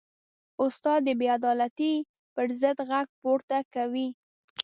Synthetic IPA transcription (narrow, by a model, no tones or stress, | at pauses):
ʊst̪ɑd̪ːəbead̪ɑlat̪i | pəɾzəd̪ɣaɡ̚poɾt̪akawi